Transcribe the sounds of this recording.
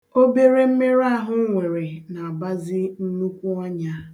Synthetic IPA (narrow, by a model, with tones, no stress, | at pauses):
o˦be˦ɾe˦m̩˦me˦ɾa˦ɦʊ˦ŋʷe˨ɾe˨na˨a˨ba˦zɪ˦n̩˦nu˦kʷu˦ɔ˦ɲa˦